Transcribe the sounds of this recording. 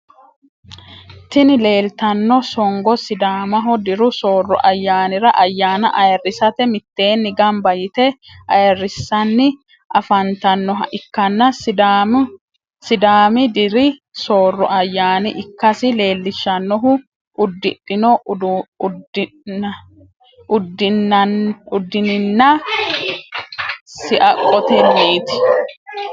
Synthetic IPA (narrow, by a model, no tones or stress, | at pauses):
t̪ɪnɪle̞ːlt̪ɐnːɔsɔŋɡɔsɪd̪aːmɐɦɔd̪ɪɾʊsoːrːɔʔɐjːaːnɪɾɐʔɐjːaːnɐʔɐjɐrːɪsɐt̪ɛmɪt̪ːe̞ːnːɪɡɐmbɐjɪt̪ɛʔɐjɐrːɪsːɐnːɪ | ʔɐfɐnt̪ɐnːɔɦɐʔɪkːɐnːɐ | sɪd̪aːmɪd̪ɪɾɪsoːrːɔʔɐjːaːnɪʔɪkːɐsɪle̞ːlːɪʃːɐnːɔɦʊ | ʊd̪ːɪ̰ᶑɪnɔ | ʊd̪ | ʊd̪ːɪnɪnːɐ | sɪʔɐkʼːɔt̪ɛmeːt̪ɪ̥